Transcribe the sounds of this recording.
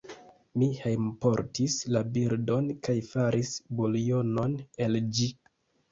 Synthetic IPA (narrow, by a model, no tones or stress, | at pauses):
mihejmpo̞ɾtislabiɾdo̞nkajfaɾʔisbolijo̞no̞ne̞ld͡ʒi